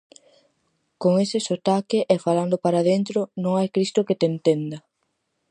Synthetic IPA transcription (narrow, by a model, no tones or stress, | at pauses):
koŋesɪsot̪akɪʔɛfaland̪ʊpaɾaðent̪ɾonõŋajkɾist̪ʊket̪ent̪end̪ɐ